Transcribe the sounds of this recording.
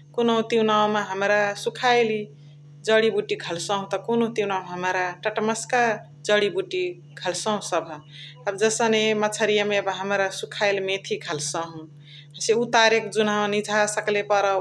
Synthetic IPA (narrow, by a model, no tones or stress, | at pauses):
konoũt̪iwnaw̃meɦəmɾasukʰajli | d͡ʒəɽibuʈiɡʰʱəlsə̃ɦũt̪ɔkonot̪iwnawɦəmɾaʈəʈməska | d͡ʒəɽibuʈi | kʰəlsə̃ɦũsəbʱ | əbd͡ʒəsənemət͡ʃʰəɾijamebɦəmɾasukʰaɪlmet̪ʰikʰəlsə̃ɦũ | əseut̪aɾekd͡ʒunanid͡ʒʱasəklepəɾə